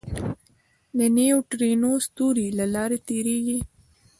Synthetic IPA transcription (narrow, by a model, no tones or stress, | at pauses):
nəneoʈɾenost̪uɾilalɑɾet̪eɾeɡi